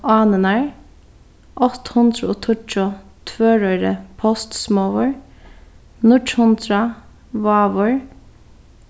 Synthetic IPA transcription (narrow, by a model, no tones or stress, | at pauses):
ɑːnənæɹ | ʔɔt̪hʊnd̪ɾəoːt̪ʰʊʈʊt̪ʰʋøːɹœʏɾəpʰɔst̪smoʋəɹ | nʊʈhʊnd̪ɾɑ | ʋɑːʋʊɹ